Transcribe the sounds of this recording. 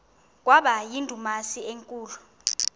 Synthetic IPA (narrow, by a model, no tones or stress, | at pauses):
k̬ʼwaɓajindʱumasieŋkʼuːlu